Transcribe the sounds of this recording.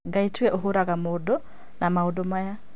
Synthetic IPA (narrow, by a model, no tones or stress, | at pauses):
ɡaitwɛʔoɦoɾaɣamodo | namaodomaja